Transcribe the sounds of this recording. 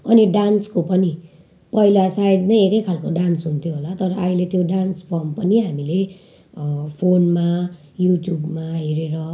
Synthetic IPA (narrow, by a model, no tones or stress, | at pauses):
ʌniɖanskopʌni | pʌilasaid̪nʌjekʌjkʰalkoɖansɦunt̪ʰjoɦolat̪ʌɾʌailet̪joɖanspʰʌmpʌniɦamile | pʰonma | juʈjubmaɦeɾeɾʌ